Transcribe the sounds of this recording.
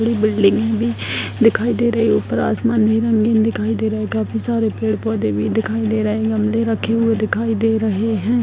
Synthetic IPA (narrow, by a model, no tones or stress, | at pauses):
əɽiːbɪlɖɪŋɡɛ̃ːbiːd̪ɪkʰaːiːd̪eːɾəeoːpəɾa̰ːsmaːnbiːɾə̃ŋɡeːnd̪ɪkʰaːid̪eːɾəɦeːɡaːpʰiːsaːɾeːpeːɽpɔːd̪eːʋiːd̪ɪkʰaːiːd̪eːɾəɦeːɡəmleːɾəkʰːeːɦʊeːd̪ɪkʰaːiːd̪eːɾəɦeːɦɛ̃ː